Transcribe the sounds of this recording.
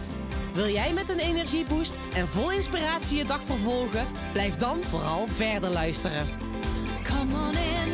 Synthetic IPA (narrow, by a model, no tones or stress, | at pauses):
ʋɪlˠjɛjmɛtənejnɛɹʒibust | ɛnvɔlˠɪnspiraːtsijədɑxfərvɔlˠɣə | b̥lɛjfdɑnvo̰ːrɑlˠvɛɹdəɹlœɥstərə | kʰɔmɔnɪn